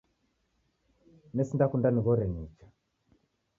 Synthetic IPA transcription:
nɛsindakundaniɣɔɾɛɲit͡ʃḁ

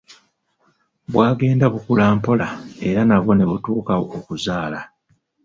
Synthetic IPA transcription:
bwaːɡe̞ːndaβukulaːmpo̞lae̞ɾanaβo̞ne̞βutuːkaokuzaːla

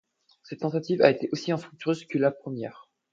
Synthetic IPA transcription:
sɛt̪ːɑ̃t̪at̪iva̰et̪eʔosiɑ̃st̪χyk̚t̪yʁøzkəlapχəmjɛːʁ

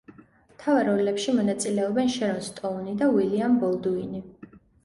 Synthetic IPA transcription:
mt̪ʰavaɾɔlɛpʃimɔnat̪sʼilɛɔbɛnʃɛɾɔnst̪ʼɔunid̪awiliambɔlˠd̪uini

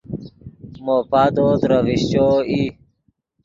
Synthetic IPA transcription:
mopad̪oːt̪ɾəviɕt͡ɕoːi

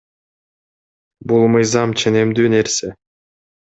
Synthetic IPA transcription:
bulˠmɯjzɑmt͡ʃʰe̞nemd̪yːne̞ɾse

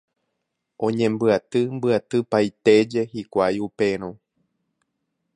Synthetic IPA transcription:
ʔõ̞ɲẽ̞mbɨat̪ɨmbɨat̪ɨpajt̪e̞d͡ʒe̞hikʷajupe̞ɾ̃õ

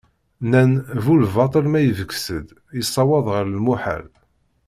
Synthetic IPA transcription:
nænvulvɑt̪ˤəlmæjəvəkːsəd̪ | jəsˤːɑwɑðˤʁəɾəlmuħa̰l

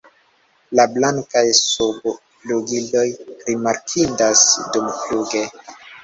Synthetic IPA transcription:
lablaŋkajsobo | loɡilo̞jɾimaɾkʰidasdumfuɡe

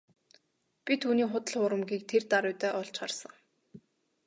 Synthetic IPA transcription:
pʲit̪ʰuːniːχʊt̪ə̆ɮχʊːɾə̆mɡiːk̚t̪ʰert̪aɾʊjt̪œːʔɔɮt͡ɕχarsə̆ŋ

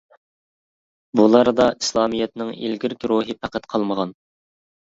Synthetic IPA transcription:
bulˠɑɾd̪ɑʔi̥slˠɑːmijɛt̪nɪŋḭlɡʲiɾɪkʲɾuɦɨpʰæqʰæt̪qʰɑlˠməʁɑn

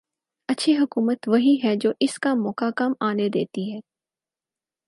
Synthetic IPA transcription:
ɐtːʃʰiɦʊkuːmət̪ʋɐɦiɦɛd͡ʒoːʔɪskamɔːkakaːmaːned̪ḛːt̪iɦɛː

